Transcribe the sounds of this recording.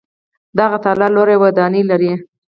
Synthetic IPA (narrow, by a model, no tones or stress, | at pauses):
d̪aɣat̪alaloɾawad̪ɑnilaɾi